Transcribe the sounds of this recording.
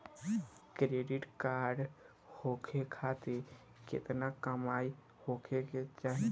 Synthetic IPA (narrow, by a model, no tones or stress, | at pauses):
kɾeɖiʈkaɾɖ | hokʰekʰat̪iɾ | kḛt̪nakəmai | hokʰeket͡ʃaɦi